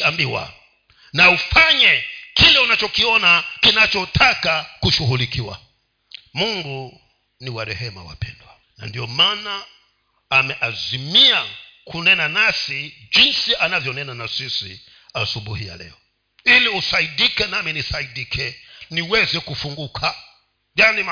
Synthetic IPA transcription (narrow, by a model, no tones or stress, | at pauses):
ambiwa̰ | naufaɲɛkilɛunat͡ʃɔkiɔnakinat͡ʃɔtʰakakuʃuɦulikiwa̰ | muŋɡu | niwaɾɛhɛma̰wa̰pɛ̰ndwa | na̰ndiɔmanaː | mɛʔazimia | kʰunɛnanasid͡ʒinsiʔanavjɔnɛnanasisḭ | asuɓuhija̰lɛ̰ɔ | iliusaiɗikɛnamɛnisaiɗikʰɛniwɛzɛkufuŋɡukʰa | janim